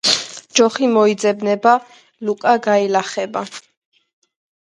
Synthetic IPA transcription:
d͡ʒɔχimɔid̪zɛbnɛba | lukʼaɡailaχɛba

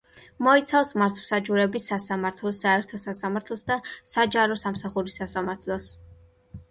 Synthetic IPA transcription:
mɔit̪sʰafsmaɾt̪ʰwsad͡ʒuɾɛbisasamaɾt̪ʰlˠɔsaɛɾt̪ʰɔsasamaɾt̪ʰlˠɔsd̪asad͡ʒaɾɔsamsaχuɾisːasamaɾt̪ʰlˠɔs

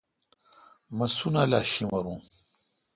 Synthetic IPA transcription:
mɐsunalaːɕimɐɾũ

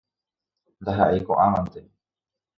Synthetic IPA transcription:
nd̪aɦaʔekoʔãmãnt̪e

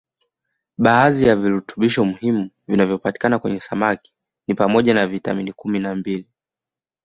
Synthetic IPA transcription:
ɓaːzijaviɾutu̥ɓiʃɔmuhimu | vinavjɔpati̥kanakwɛ̰ɲɛsamaki̥ | nipamɔʄanavita̰minikuminambili

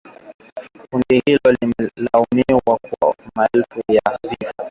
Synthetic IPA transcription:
kuŋɡɛhilɔlimɛlaumiwakwamaɛlfujavifa

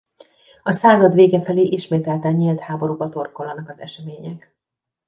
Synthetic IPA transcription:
ɒsaːzɒd̪ʋeːɡɛfɛleːʔiʃmeːt̪ɛlt̪ɛɲeːlt̪haːbo̞ɾubɒt̪o̞rko̞lːɒnɒkɒzɛ̰ʃɛmeːɲɛk

